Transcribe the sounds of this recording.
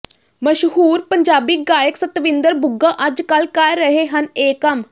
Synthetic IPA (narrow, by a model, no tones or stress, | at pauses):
məʃɦuːɾpəɲd͡ʒaːbiːɡaːjəksət̪ʋɪ̃nd̪əɾbʊɡãːʔəd͡ʒkəlkəːəɦeːɦəneːkəm